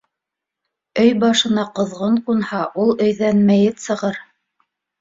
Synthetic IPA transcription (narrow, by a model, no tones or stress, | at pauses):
ɵjbɑʃɤ̆nɑqɤ̆ðʁɤɴqunhɑʔulˠɵ̆jðænmæjɘnsɤ̆ʁɤɾ